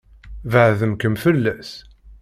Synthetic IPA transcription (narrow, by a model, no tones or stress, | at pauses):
vəʕðəmkəmfəlːæs